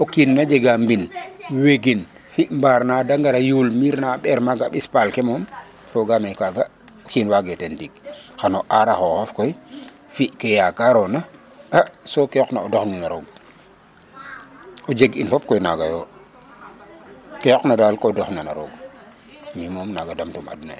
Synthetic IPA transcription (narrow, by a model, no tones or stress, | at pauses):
okinːad͡ʒeɡambinweɡin | fiʔmbaːɾnadaŋɡaɾajulmiɾnaɓɛɾmaɡaɓispalkemɔm | foɡamejkaɡa | okiːnwaɡetentik̚xanoʔaɾaxohofkoj | fiʔkejakaɾɔna | asokeɔknaodɔxninaɾoɡ̚ | ɔd͡ʒeɡinfɔp̚kɔjna̰ɡa̰joː | kɛjɔknadaːlkɔdɔxnana̰ɾo̰ɡ | mimɔːmnaɡadamtuma̰dna̰